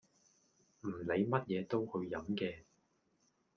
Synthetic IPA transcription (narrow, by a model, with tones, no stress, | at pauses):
m̩˨˩le˨˧jmɐ˥t̚jɛː˨˧t̪o˥whɵ˧ɥjɐ˨˥mkɛː˧